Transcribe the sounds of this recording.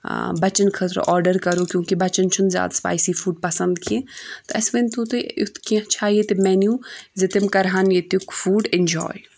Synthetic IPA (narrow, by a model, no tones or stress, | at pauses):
bɐt͡ʃənkʰɐt̪ɾ̰ʔɔːɾɖəɾkɐɾokʲjõːkibɐt͡ʃənt͡ʃʰʊnzʲja̰ːd̪spa̰ːjsifuːɖpɐsə̃nd̪kʰiẽːt̪oɐ̰sment̪ũt̪eʊt̪ʰkiãt͡ʃʰaːɦjet̪emɛːnjuzɪt̪emkɐɾɦaːnjet̪ukfuːɖɪ̃nd͡ʒɔ̰ːj